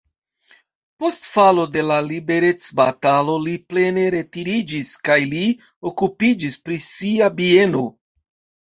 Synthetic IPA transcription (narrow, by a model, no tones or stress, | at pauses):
po̞stfalo̞de̞lalibe̞ɾe̞t͡sbatalo̞liple̞ne̞ɾe̞tiɾid͡ʒiskajli | o̞kupid͡ʒispɾisiabie̞no̞